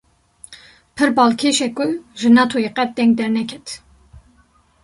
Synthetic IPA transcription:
pʰɨɾbɑːlkʰeːʃɛkʼʊʒɨnɑt̪ʰojeqɛt̪̚d̪ɛŋɡ̚d̪ɛɾnɛkʲʰɛt̪ʰ

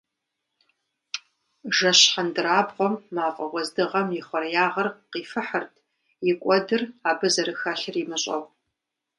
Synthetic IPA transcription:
ʒɐɕħandɨɾaːbqʷɔmːaːqʼɔʁʷɔzdɨʁɐmjɪχʷɔrjaːʁɐrqiːfɨħɐrtʰ | jɪkʷʼɔdɨraːbɨzɐɾɨxaːɬɨrimɨɕʼɐ̰ʁ

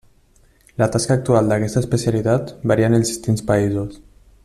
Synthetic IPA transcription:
lat̪askaːk̚t̪ualˠd̪akɛst̪əːspəsialit̪at̪baɾianelˠzdist̪inspaizus

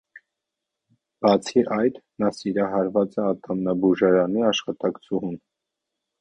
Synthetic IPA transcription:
b̥ɑt͡sʰiʔɑjt̪nɑsiɾɑɦɑɾvɑt͡sɛɑt̪ʰɑmnɑbuʒɑɾɑniɑʃχɑt̪ɑkt͡sʰuɦun

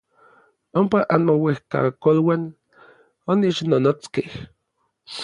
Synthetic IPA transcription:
ompaʔanmowehka̰kolwan | onit͡ʃnonot͡skeh

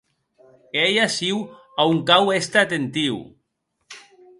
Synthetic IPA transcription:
ejasiw | auŋkawest̪at̪ent̪iw

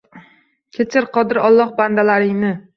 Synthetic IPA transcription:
kʲʰet͡ʃʰɪɾqʰɒd̪ɪɾɒlˠːɒhband̪alaɾɪŋnɪ

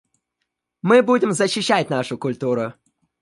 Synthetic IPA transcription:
mɨbudʲɪmzəɕːɪɕːætʲnaʂʊkʊlʲt̪uɾʊ

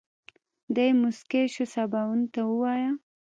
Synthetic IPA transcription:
d̪ajmʊskeʃosabawunt̪awəwɑja

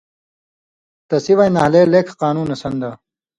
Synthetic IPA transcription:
t̪ɐsiʋajnɐhleːleːkʰqaːnuːnɐsɐnd̪a

